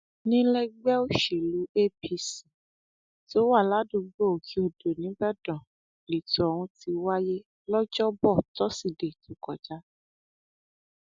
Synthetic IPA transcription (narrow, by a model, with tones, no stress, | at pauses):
nĩ˦lɛ˦ɡ͡bɛ˦o˦ʃe˨lu˨˦e˦pi˧si˨ | to˦wa˦˨la˨˦du˨˧ɡ͡bo˦˨kʰi˨˦o˧˨do˨nĩ˨˦bɛ˦˨dɔ̃˨ | li˨tɔ˨ɔ˨wũ˧ti˧wa˦je˦ | lɔ˦d͡ʒɔ˦bɔ˦˨tɔ˨˦si˦˨de˨tũ˨˦kɔ˨d͡ʒa˨˦